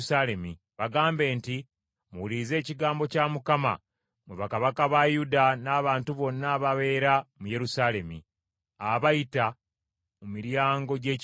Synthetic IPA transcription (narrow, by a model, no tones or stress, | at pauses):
sale̞mi | βaɡaːmbe̞ːnti | muwulize̞ːciɡaːmbo̞camukama̰ | muβakaβakaβajudanaːβaːntuβo̞nːaːβaβe̞ːɾamuje̞ɾusale̞mḭ | aβajita | mumiɾjaːŋɡo̞ɟe̞ːc